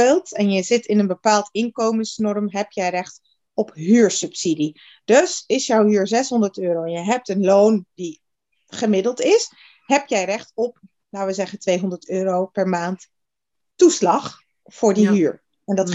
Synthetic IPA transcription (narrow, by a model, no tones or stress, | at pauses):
ɪlˠtɛnjəzɪtɪnənbəpaːlˠtɪnkowmənsnɔɹmɦɛp̚jɛjrɛχt | ɔpɦyːɹsɵpsidi | d̥ɵsɪsjɔwɦyːɹzɛsɦɔndəɹtøːɾowɛnjəɦɛp̚tənlowndi | χəmɪdəlˠtɪs | ɦɛpjɛjrɛχtɔp̚ | laːʋəzɛχəntʋejɦɔndəɹtøːropɛɹmaːnt | tuslɑχ | fʊːɹdiɦyːɹ | ɛndɑt